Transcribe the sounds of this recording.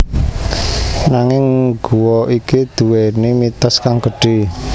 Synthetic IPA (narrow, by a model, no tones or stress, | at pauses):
naŋɪŋɡ̥uwɔʔikid̪̥ṳwenimit̪əskaŋɡə̤ɖ̥i